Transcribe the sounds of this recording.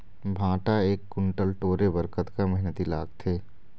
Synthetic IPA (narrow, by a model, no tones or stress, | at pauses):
bʱãːʈaeːkːʊɳʈəlʈoːɾebəɾkət̪kaməɦɪnət̪ila̰ːɡ̚t̪ʰeː